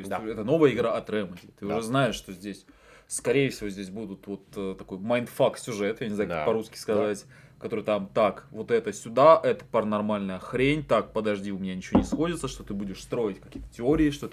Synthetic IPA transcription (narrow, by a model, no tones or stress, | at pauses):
oɪsʲɛt̪əno̞vəjəɪɡɾaʔɐt̪ɾɛmədʲɪt̪ɨʊʐɛznaɪʂʂt̪ozʲdʲesʲ | skɐɾʲejɪfsʲɪvozʲdʲesʲbud̪ʊt̪vo̞t̪ət̪ɐko̞jmɐjnt̪faksʲʊʐɛt̪janʲɪznaɛpɐɾuskʲɪ̥skɐzatʲ | kɐt̪o̞ɾɨjt̪amt̪akvo̞t̪ɛt̪əsʲʊd̪aʔɛt̪ə̥pɐɾənɐrmalʲnəjəxɾʲenʲt̪ak̚pəd̪ɐʐdʲiʊmʲɪnʲanʲɪt͡ɕɪvonʲɪsxo̞dʲɪt̪səʂt̪o̞t̪ɨbudʲɪʂst̪ɾo̞ɪtʲkɐkʲijət̪ətʲɪoɾʲɪɪʂt̪o